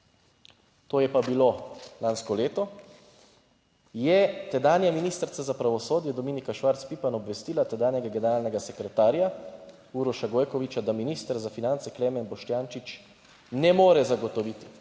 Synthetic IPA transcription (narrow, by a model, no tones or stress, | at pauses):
t̪oːjɛpabilolanskɔleːt̪ɔ | jɛt̪ɛd̪aːnjaminist̪ɾt̪sazapɾaʋɔsoːd̪jɛd̪ɔmiːnikaʃʋaɾt̪spiːpanɔbʋɛst̪iːlat̪ɛd̪aːnjɛɡaɡɛnɛɾaːlnɛɡasɛkɾɛt̪aːɾja | uɾɔʃaɡoːjkɔʋit͡ʃad̪aminiːst̪əɾzafinant̪sɛklɛmɛnbɔʃt̪jaːnt͡ʃit͡ʃ | nɛmoːɾɛzaɡɔt̪ɔʋiːt̪i